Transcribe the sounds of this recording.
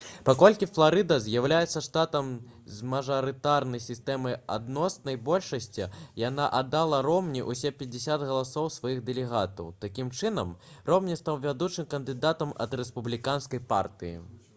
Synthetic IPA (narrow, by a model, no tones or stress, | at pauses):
pakɔlʲkʲiflˠaɾɨd̪ɐzʲjawlʲajɛt̪sːɐʂt̪at̪ɐm | zmɐʐɐɾɨt̪arnɐjsʲist̪ɛmɐja̰d̪nɔsnɐjbɔlʲʂɐsʲt͡sʲijan̪aʔad̪ːalˠɐɾɔmnʲiʔusʲɛpʲɛd͡zʲɪsʲad̪ɣɐlˠasɔwsvajiɣd̪ɛlʲɛɣat̪ɐ̰wt̪akʲimt͡ʂɨnɐmrɔwnʲist̪ɐwvʲad̪ut͡ʂɨmkɐnd̪ɨd̪at̪ɐmɐ̰d̪rɛspublʲikanskɐjpa̰rt̪ɨjḭ